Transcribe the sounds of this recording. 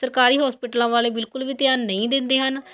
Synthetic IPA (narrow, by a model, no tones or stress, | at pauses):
səɾkaːɾiːɦɔːspɪʈlãːʋaːleːbɪlkʊlʋiːt̪ɪjaːnːəĩːd̪ɪnd̪eːɦən